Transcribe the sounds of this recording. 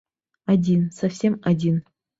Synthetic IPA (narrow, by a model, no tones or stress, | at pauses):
adʲinsɐfsʲemadʲin